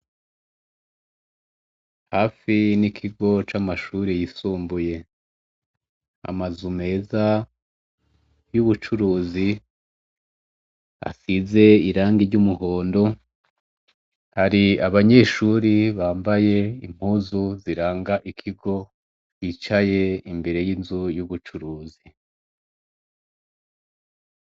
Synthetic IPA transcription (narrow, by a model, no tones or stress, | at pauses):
haːfinikʰiɡo̞t͡ʃamaʃuɾejisuːmbuje̞ | a̰mazume̞ːza | juβut͡ʃuɾuːzi | a̰size̞iɾaːŋɡiɾɟumuho̞ːndo̞ | haɾiaβaɲe̞ʃuɾiβaːmbaje̞im̥huːzuziɾaːŋɡaʔikʰiɡo̞ | it͡ʃaje̞imbe̞ɾe̞jiːnzujuβut͡ʃuɾuːzi